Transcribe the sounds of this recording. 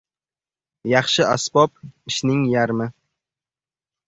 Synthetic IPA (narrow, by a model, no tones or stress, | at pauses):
jɑχʃɪʔɒ̰sbɒp̚ɪʃnɪŋjaɾmɪ